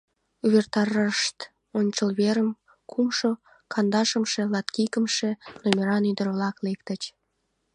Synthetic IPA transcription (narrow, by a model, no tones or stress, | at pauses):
uβert̪ɑrɑʃt̪ | onʲt͡ɕəlβeɾəm | kʰumʃo | kʰɑnd̪ɑʃəmʃe̽lɑt̪kikəmʃe̽nomʲeɾɑnyd̪ərβlɑklekt̪ət͡ɕ